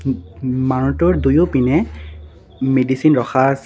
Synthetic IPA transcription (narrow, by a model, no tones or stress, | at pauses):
maɹɔtɔɹdujʊpinɛ | medisinɹɔxʰas